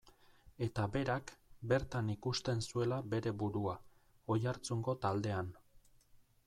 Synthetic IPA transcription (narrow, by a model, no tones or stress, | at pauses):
e̞t̪abe̞ɾakbe̞ɾt̪anikust̪e̞nsue̞labe̞ɾe̞buɾua | o̞jaɾt͡suŋɡo̞t̪ald̪e̞an